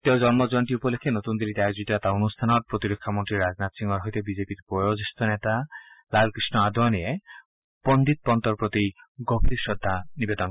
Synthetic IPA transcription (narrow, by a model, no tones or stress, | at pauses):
t̪ewd͡ʒɔnmɔd͡ʒɔnʈiupɔlekʰːenot̪und̪elit̪eɛkd͡ʒuʈat̪aonust̪ʰanɔɾpɾot̪iɾokʰːamont̪ɾiɾad͡znat̪siŋɡɔɾɦɔjt̪ebizepiɾpojod͡ʒest̪ɔnet̪alalkɾisnɔad̪ʱɔnie | b̥ond̪it̪̚pɔnt̪ɔɾpɾot̪i | ɡop̚t̪iɾʃɔd̪ʱːanibed̪ɔn